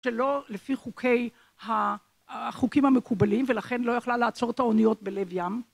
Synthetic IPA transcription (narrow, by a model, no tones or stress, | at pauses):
ʃelo̞lefiχukʰe̞j | ha | χukimhamekubalimvelaχe̞nlo̞jaχlalaːt͡so̞ʁet̪aonijo̞t̚bele̞vjam